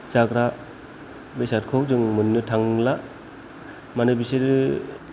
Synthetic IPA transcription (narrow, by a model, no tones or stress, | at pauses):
zaɡɾa | besaɾ̚kʰok̚zɯŋmɯnːɯtʰaŋla | manɯbiseɾɯ